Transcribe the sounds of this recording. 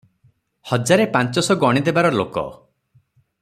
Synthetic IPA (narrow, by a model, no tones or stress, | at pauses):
hɔd͡ʒaɾepant͡ʃɔsɔɡɔɽ̃id̪ebaɾɔlo̰kɔ̰